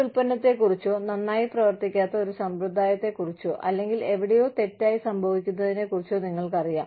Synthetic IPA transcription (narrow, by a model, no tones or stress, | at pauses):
uɭpɐnːɐt̪ːe̞kurit͡ɕːoːnɐnːaːjiprɐʋɐrt̪ikʲːaːt̪ːɐo̞ɾusɐmbrud̪ʱːaːjɐt̪ːe̞kurit͡ɕːo̰ʔɐlːe̞ŋɡile̞ʋiɽejo̞ːt̪e̞tːaːjisɐmbʱɐʋikʲːunːɐðine̞kurit͡ɕːoːniŋːɐɭkɐrijaːm